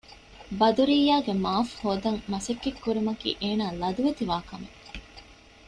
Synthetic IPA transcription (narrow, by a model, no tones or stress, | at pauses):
bɐd̪uɾiːjːaːɡemaːfhoːd̪ɐŋmɐsekːekːuɾimɐkḭːʔeːnaːlɐd̪uʋet̪iʋaːkɐmḛ